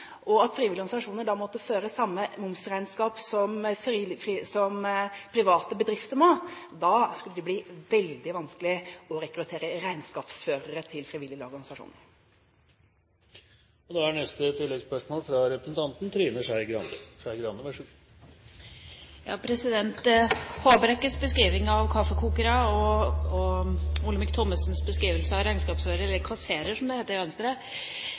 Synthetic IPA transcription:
ʔɔɑt̪fɾiːʋɪlɪɡɔɡ̪nɪsɑʂuːnəɖɑmɔt̪ːəføːɾəsɑmːəmʊmsɾæɪnskɑːpsɔmfsɔmpʰɾɪʋɑːt̪əbəd̪ɾɪft̪əɾmoːd̪ɑskʉlːəd̪ɛbliːʋɛld̪ɪʋɑnsklɪɔɾɛkɾʉt̪ʰeːɾəɾæɪnskɑːpsføːɾəɾət̪ʰɪlfɾiʋɪlɪlɔɾɡɑnɪsɑʂṵːnə | ɔd̪ɛæɳɛst̪ət̪ʰɪlːɛɡspœʂmoːlfɾɑɾɛpɾə̥sn̩t̪ʰɑnt̪n̩t̪ʰɾiːnəʂæɪɡɾɑnəʂæɪɡɾɑnːəʋæʂʉ | jɑ̰ːpʰɾɛsɪd̪ɛnt̪hoːbəɾɛkːəsbəskɾiːʋɪŋɑʋkʰɑfːəkʰuːkəɾɑɔɔʊlːəmɪk̚t̪ʰɔməsnsbəskɾiːʋəlsəɑʋɾæɪnskɑːpsføːɾəɾəɛlːəkʰɑseːɾəʂɔmd̪ɛheːt̪ːəɾʋɛnst̪əɾə

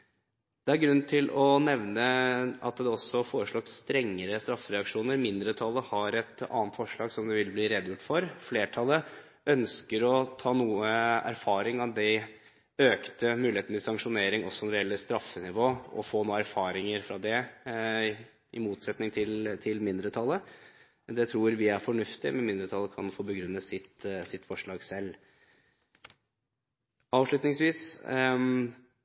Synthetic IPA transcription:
d̪̥ɛæɾɡɾʉnt̪ʰɪlɔnɛʋnəɑt̪d̪ɛɔsːɔfoːɾəʂɭɑɡst̪ɾɛŋːəɾəst̪ɾɑfːəɾɛɑkʂuːnəɾmɪnd̪ɾət̪ʰɑlːəhɑɾɛt̪ɑ̰ːnt̪fɔʂɭɑːɡsɔmd̪ɛʋɪlbliːɾɛd̪jʊʈːfɔɾfleːʈʰɑlːə | œnskəɾɔt̪ʰɑːnuːəæ̰ɾfɑːɾɪŋɑd̪ɛ | øːkt̪əmʉːlɪheːt̪nət̪ʰɪsɑŋkʂʊneːɾɪŋɔsːɔnɾɛɛlːəst̪ɾɑfənɪʋoːɔ̰foːnoːəæɾfɑːɾɪŋəɾfɾɑd̪ɛ | ɪmuːt̪sɛt̪nɪŋt̪ʰɪlt̪ʰɪlmɪnd̪ɾət̪ʰɑlːə | d̪ɛt̪ʰɾuːɾʋɪæɾfɔɳʉft̪ɪmɛnmɪnd̪ɾət̪ʰɑlːəkʰɑnfoːbəɡɾʉnːəsɪt̪sɪt̪ːfɔʂɭɑːɡsɛlː | ɑːʋʂɭʉt̪nɪŋsʋiːs

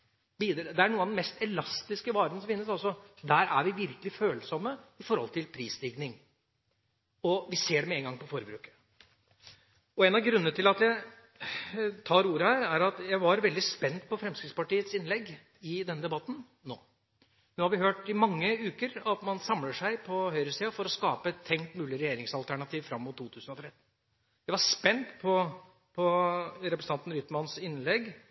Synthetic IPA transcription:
biːd̪ɾd̪ɛæɳuːɑd̪ɛnmɛst̪ɛlɑst̪ɪskəʋɑːɾənəsɔmfɪnːəsɑlsɔd̪æːɾʔæ̰ɾʋɪʋɪɾkəlɪføːlsɔmːəɪfɔɾhɔ̰lt̪ʰɪlpʰɾiːsd̪ɪɡnɪŋ | ɔʋɪseːɖɛmɛːŋɡɑŋpɔfɔɾbɾʉːkə̥ | ɔɛːnɑʋɡɾʉnːənət̪ʰɪlɑt̪jæɪ | t̪ʰɑːɾuːɾəhæːɾæɾɑt̪jæɪʋɑɾʋɛld̪ɪspɛnt̪̚pʰɔfɾɛmskɾɪt̪spɑʈiːət̪sɪnlɛɡː | ɪd̪ɛnːəd̪ɛbɑt̪ːn̩ | noː | noːhɑɾʋɪhøːʈɪmɑŋːəʉːkəɾɑt̪mɑnsɑmləʂæɪpʰɔhœʏɾəsiːɑfɔɾɔskɑːpəɛt̪ʰːɛŋt̪mʉːlɪɾɛjeːɾɪŋsɑlt̪ʰæɳɑt̪ʰiːʋfɾɑmːʊt̪ʰːuːt̪ʰʉːsənɔt̪ʰɾɛt̪ːn | jæɪʋɑɾspɛnt̪pʰɔ | pʰɔɾɛpɾəsn̩ɑnt̪n̩ɾʏt̪mɑnsɪnlɛɡ

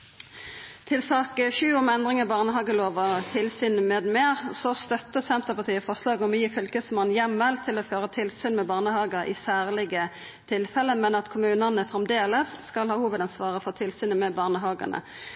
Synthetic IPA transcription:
t̪ʰɪlsɑːkəʃʉːʊmɛnd̪ʁɪŋɑbɑʁnəɦɑːɡəloːʋət̪ʰɪlsyːnmeːd̪meːʁsɔst̪œt̪ːəsɛnt̪əʁpɑt̪iːəfɔʁʂlɑːɡɔmjiːfʏlkəsmɑnːjɛmːɛlt̪ʰɪlɔføːʁət̪ʰɪlsyːnmɛbɑːʁnəhɑːɡəʔɪ̰sæːʁlɪɡə | t̪ʰɪlfɛləmɛnɑt̪kʰʊmʉːnənəfʁɛmd̪eːləsːkɑlhɑːhuːʋəd̪ɑnsʋɑːʁəfɔt̪ʰɪlsyːnəmɛbɑːʁnəɦɑːɡə̰nə̰

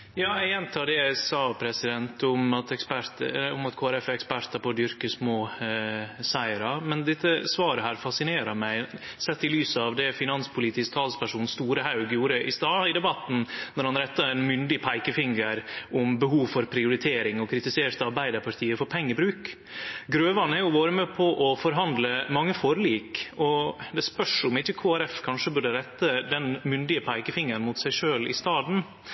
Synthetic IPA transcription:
jɑːæɛnt̪ʰɑːɖɛæsɑːpʰɾɛsɪd̪ɛnt̪ʊmɑt̪ɛkspæɾt̪əʊmɑt̪kʰoːæɾɛfɛkspæɾt̪ɑpʰɔd̪ʏɾkəsmoː | sæɪəɾɑmɛnd̪ɪt̪ːəsʋɑːɾəɦæːɾfɑsɪneːɾɑmæɪsɛt̪ːɪlyːsəɑʋd̪ɛfɪnɑnspʰʊliːt̪ɪskt̪ʰɑːlspʰæʂuːnst̪uːɾəhɑʉɡjuːɾəʔɪst̪ɑːɪd̪ɛbɑt̪ːn̩nɔɾhɑnɾɛt̪ːɑɛnmʏnd̪ɪpʰæɪkəfɪŋəɾʊmbəɦuːʋfɔɾpʰɾɪʊɾɪt̪ʰeːɾɪŋɔkʰɾɪt̪ɪseːt̪ɑɾbæɪd̪əɾpʰɑʈ̪ʰiːəfɔɾpʰɛŋːəɾbɾʉːk | ɡɾøːʋɑnæɾjʊʋɑːɾəmɛːpʰɔʔɔfɔɾɦɑnd̪ləmɑŋːəfɔɾəliːkɔd̪ɛspœʂʊmɪçːəkʰoːæɾɛfkʰɑnʂəbʉɖəɾɛt̪ːəd̪ɛnmʏnd̪ɪəpʰæɪkəfɪŋːəɾnmʊt̪sæɪʂøːlɪ̰st̪ɑːd̪n̩

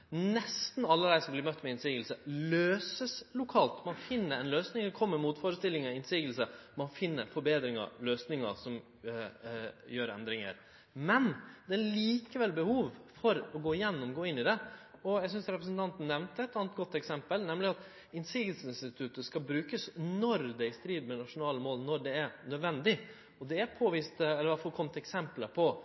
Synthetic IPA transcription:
nɛst̪n̩ɑlːəd̪æɪsɔmblɪɾmœt̪ːmɛɪnsiːɡəlsəløːsəslʊkʰɑːlt̪mɑnfɪnːəɾɛnløːsnɪŋkʰɔmːəɾmuːt̪foɾəst̪ɪlːɪŋɑɪnsiːɡəlsəmɑnfɪnːə̰ɾfɔɾbeːd̪ɾɪŋə̰løːsnɪŋə̰sɔm | jøːɾɛ̰nd̪ɾɪŋə̰ɾ | mɛnd̪ɛæliːkəʋɛlbəhuːʋfɔɾɔɡoːɪjɛnːɔmɡoːɪnːɪd̪ɛɔjæɪɡsʏnsɾɛpɾəsnt̪ʰɑnt̪n̩nːɛʋnt̪əɛt̪ːɑːnət̪̚ɡɔt̪ːɛksɛmpəlnɛmlɪɑt̪ | ɪnsiːɡəlsəɪnst̪ɪt̪ʰʉt̪əskɑbɾʉːkəsnɔɾd̪ɛɪst̪ɾiːd̪mɛnɑʂʊnɑːləmoːlnɔɾɖɛæɾnœd̪ʋɛnd̪ɪ | ɔd̪ɛæɾpʰoːʋist̪ɛlːəɾʋɑfɔːɾkʰɔmt̪ɛksɛmpləpʰɔ

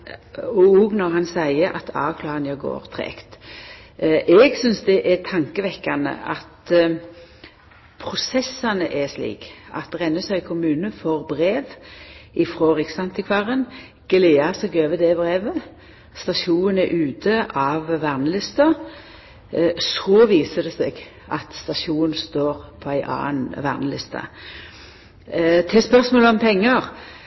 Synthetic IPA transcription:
ɔɔɡnɔʁhɑnsæɪəɑ̰t̪ʰɑ̰ːʋkʰlɑːʁɑnɑɡo̰ːɾt̪ʰʁḛːkt̪ | ʔɛɡsʏnsd̪ɛʔɛt̪ʰɑŋkəʋɛkːɑnə̰ʔɑt̪ | pʰɾʊsɛsːɑnəʔɛslḭːkɑ̰t̪ʁɛnːəsæɪkʰʊmʉːnəfɔʁbʁeːʋɪfʁoːʁɪksɑnt̪ɪkʰʋɑʁən | ɡ̥leːɑsɛɡøːʋəd̪ɛbʁeːʋə | st̪ɑʃuːənɛʔʉːt̪ʰəʔɑʋʋæʁnəlɪst̪ɑ | sɔːʋiːsəd̪ɛsɛɡ | ʔɑt̪st̪ɑʃuːnst̪oːʁpʰɔæɪʔɑ̰ːnʋæ̰ːʁnəlɪst̪ɑ̰ | t̪ʰɛspœʁsmoːləɔmpʰɛŋːəʁ

